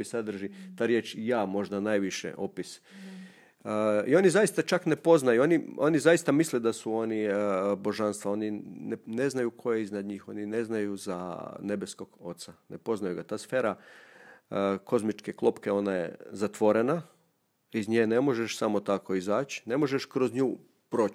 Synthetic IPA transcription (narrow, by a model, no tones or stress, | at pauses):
isad̪r̩ʒit̪aːɾjeːt͡ʃijaːmo̞ʒd̪anaːjʋiʃḛʔo̞pis | io̞nizajist̪at͡ʃakne̞po̞znajuo̞nio̞nizajist̪amisled̪asuo̞nibo̞ʒanst̪ʋao̞nine̞znajukʰo̞jeiznad̪ɲiːxo̞nine̞znajuza̰ne̞besko̞ɡ̥o̞t̪sanepo̞znajuɡat̪aːsfeːɾa | ko̞zmit͡ʃkeklˠo̞pkeo̞najḛzat̪ʋo̞ɾena | izɲejne̞mo̞ʒeʃsamot̪ako̞izaːt͡ʃne̞mo̞ʒeʃkɾo̞zɲuː | pɾo̞ːt͡ʃ